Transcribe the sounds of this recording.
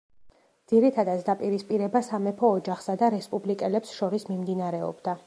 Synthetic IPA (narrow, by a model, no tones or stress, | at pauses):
d̪z̥iɾit̪ʰad̪at̪sʰd̪apʼiɾispʼiɾɛbasamɛpʰɔːd͡ʒaχsad̪aɾɛspʼublikʼɛlɛpsʃɔɾismimd̪inaɾɛɔ̰bd̪a